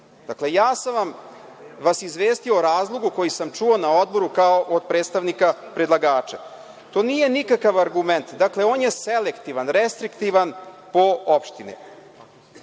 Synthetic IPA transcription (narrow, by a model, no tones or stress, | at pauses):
d̪aklejaːsamʋamʋasizʋeːst̪io̞ɾaːzlˠo̞ɡuko̞jisamt͡ʂuo̞naod̪̚bo̞ɾukaoʔod̪̚pɾeːt̪st̪aʋnikapɾed̪lˠaɡaːt͡ʃa | t̪o̞ːnije̞nikakaʋaɾɡument̪d̪akle̞oːnje̞selekt̪iʋanɾest̪ɾikt̪iʋanpoopʃt̪inḭ